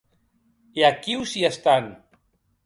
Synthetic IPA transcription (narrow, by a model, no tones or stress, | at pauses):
iakiwsiest̪an